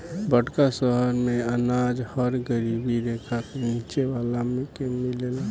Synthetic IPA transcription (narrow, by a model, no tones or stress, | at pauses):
bəɽkasəɦəɾmeənad͡ʒhəɾɡəɾibiɾekʰakenit͡ʃeʋalamekemilela